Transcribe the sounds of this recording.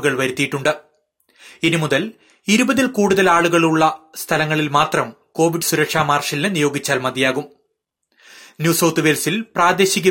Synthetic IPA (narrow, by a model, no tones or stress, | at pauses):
ɣɐɭʋɐɾut̪ːijiʈːuɳɖɨ | inimuðɐl | iɾubɐðilkuːɽuðɐlaːɭuɣɐɭuɭːɐst̪ʰɐlɐŋːɐɭilmaːt̪rɐm | ko̞ːʋiɖɨsuɾɐkʂaːmaːrʂɐlinɨnijo̞ːɡit͡ɕːaːlmɐd̪ijaːɣum | njuːsɐwt̪uʋeːlsilpraːd̪eːɕiɣʲɐ